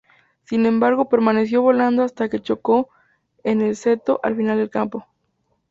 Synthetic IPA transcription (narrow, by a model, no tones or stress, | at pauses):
sinẽ̞mbaɾɣo̞pe̞ɾmane̞s̬jo̞βo̞land̪oast̪ake̞t͡ʃo̞ko̞ | e̞ne̞lse̞t̪o̞ʔa̰lfinald̪e̞lkampo̞